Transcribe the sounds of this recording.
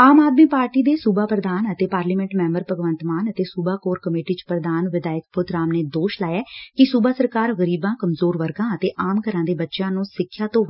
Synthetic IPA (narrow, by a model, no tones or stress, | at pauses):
aːmaːd̪miːpaːɾʈiːd̪eːsubaːpɾəd̪aːnət̪eːpaːɾliːmɛ̃ɳʈmɛ̃ːmbəɾpəɡʋə̃nt̪maːnət̪eːsuːbaːkoːɾkəmeːʈiːt͡ʃpɾəd̪aːnʋɪd̪aːjəkpʊt̪ɾaːmneːd̪oːʃlaːjɛːkɪsubaːsəɾkaːɾɣəɾiːbãːkəmzoːɾʋəɾɡãːət̪eːʔaːmkəɾãːd̪eːbətːʃãːnũːsɪkʰːjaːt̪õː